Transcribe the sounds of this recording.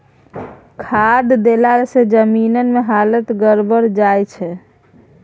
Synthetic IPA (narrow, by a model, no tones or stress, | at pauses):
kʰad̪d̪elaɾesed͡ʒəminənmeɦalət̪ɡəɾbəɾd͡ʒajt͡ʃʰɛ